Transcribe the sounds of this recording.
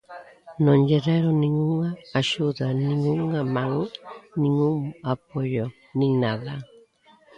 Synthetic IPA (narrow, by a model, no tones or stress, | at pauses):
nõnʎeɾeɾonĩŋuŋaːʃuðanĩŋuŋamãŋnĩŋuŋap̚oʎo | nĩŋnaða